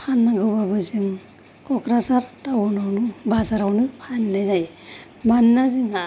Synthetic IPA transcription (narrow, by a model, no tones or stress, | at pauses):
pʰanːaɡɯwbabɯzɯŋ | kɔkɾasaɾtawunawnubazaɾawnɯpʰanːazaj | banːaziŋa